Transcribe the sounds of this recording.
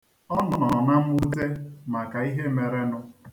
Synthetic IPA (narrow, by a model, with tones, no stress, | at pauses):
ɔ˦nɔ˨nɔ˨na˦m̩˦u˦te˦ma˨ka˨i˦ɦe˦me˨ɾe˦nʊ˦